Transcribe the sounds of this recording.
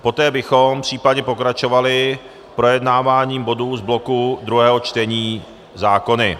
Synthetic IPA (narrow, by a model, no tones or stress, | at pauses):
po̞t̪ɛːbɪxompr̝̥iːpadɲɛpo̞kɾat͡ʃo̞valɪ | pɾo̞jɛdnaːvaːɲiːmbo̞duzblo̞kud̪ɾuɦɛːɦo̞t͡ʃt̪ɛɲiː | zaːko̞nɪ